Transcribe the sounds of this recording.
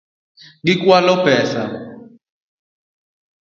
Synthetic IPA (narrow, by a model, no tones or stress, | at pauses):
ɡikwalɔpɛsa̰